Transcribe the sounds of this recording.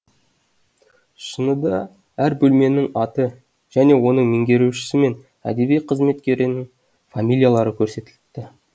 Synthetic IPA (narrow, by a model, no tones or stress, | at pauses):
ʃənəd̪ɑ | æɾbɵlme̞nɪŋɑt̪ə | ʒ̥æne̞wo̞n̪əɴmeŋɡʲe̞ɾuʃɪ̥sɪme̞n | æ̰d̪e̞bijqʰəzme̞t̪kʲe̞ɾɪnɪŋ | famʲilʲijalˠɑɾəkʲʰɵɾse̞t̪ɪlt̪t̪ːɪ